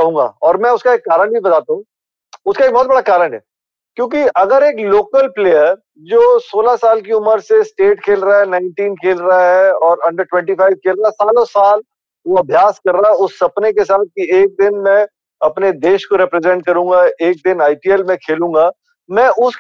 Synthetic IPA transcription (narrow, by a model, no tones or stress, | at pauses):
ɐɦũːŋɡa̰ɔːɾmɛ̃ʊskaeːkːaːɾə̃ɳʈbibɐt̪aːt̪aɦũ | ʊskaek̚bɔɦːt̪̚bɐɽakaːɾə̃ɳʈɦɛː | kjõːk̬iɐɡəɾeːkloːkəlpleːjəɾ | d͡ʒoːsoːlasaːlk̬iʊməɾsesʈeːʈkʰeːlɾaaɦɛnaːɪɳʈiːnkʰeːlɾaaɦɛɔːɾɐ̃ɳɖəɾʈwɛ̃ɳʈifaːɪʋ̚kʰeːlɾaɦɛsaːlõsaːl | ʋoɐbʱjaːskɐɾːaɛʊsːɐpnekesaːt̪̚kieːk̚d̪ɪnmɛ̃ | ɐpned̪eːʃkoɾɛpɾezɛ̃ɳʈ̚kɐɾũːŋɡaeːk̚d̪ɪnaːɪpiːɛlmẽkʰeːlũːŋɡa | mɛ̃ʔʊs